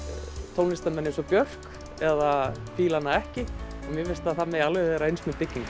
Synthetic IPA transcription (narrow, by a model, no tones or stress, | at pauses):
t̪ʰowlnɪst̪anmɛnːɪsɔpjœr̥k | ɛða | fiːlanːaɛhcɪ | ɔmjɪvɪst̪aðθamɛjalvɛɛɾaejnsmɛpɪcːiŋk